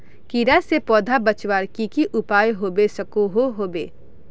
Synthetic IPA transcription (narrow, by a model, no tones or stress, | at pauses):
kiːɾasepɔːd̪ʱabɐt͡ʃwaːɾkikiʔʊpaːjɦoːbesɐkoɦoɦoːbḛː